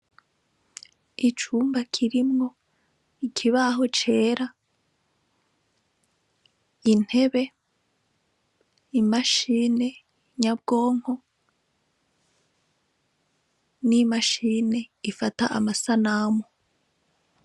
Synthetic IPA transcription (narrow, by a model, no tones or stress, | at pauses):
it͡ʃuːmbakʰiɾimŋo̞ | ikʰiβaɦo̞t͡ʃe̞ːɾa | in̥he̞βe̞ | imaʃiːne̞ | ɲab̚ɡo̞ːŋ̥ho̞ | nimaʃiːne̞ifataʔa̰masanamo